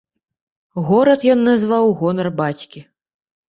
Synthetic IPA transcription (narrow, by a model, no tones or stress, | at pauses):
ɣɔɾɐt̪jɔnːɐzvawɣɔnɐrbat͡sʲkʲi